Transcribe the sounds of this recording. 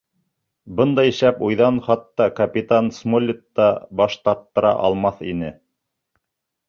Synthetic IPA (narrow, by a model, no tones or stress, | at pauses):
bɤnd̪ɑj̆ʃæpujðɑnχɑt̪ːɑkɐpʲit̪ansmolʲːɪt̪ːɑbɑʃt̪ɑɾt̪ːɤ̆ɾɑ̰ʔɑ̰lˠmɑθḭnɘ